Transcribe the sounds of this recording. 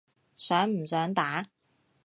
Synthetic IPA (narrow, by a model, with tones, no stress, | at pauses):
sœː˨˥ŋm̩˨˩sœː˨˥ŋt̪aː˨˥